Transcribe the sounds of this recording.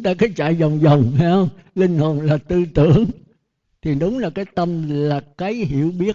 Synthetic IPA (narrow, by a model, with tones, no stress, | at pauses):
ŋ͡mt̪aː˧kaː˨˦jt͡ɕa̰ː˧˨jza˨˩wŋ͡mzə˨˩wŋ͡mhɛ˧hə˧wŋ͡mlï˧ŋ̟ho˨˩nlaː˨˩t̪ɨ˧t̪ɨ̰˧˨əŋ | t̪ʰi˨˩ɗʊ˨˦ŋ͡mlaː˨˩kaː˨˦jt̪ə˧mlaː˨˩kaː˨˦jɦḭ˧˨əwɓi˦˥ə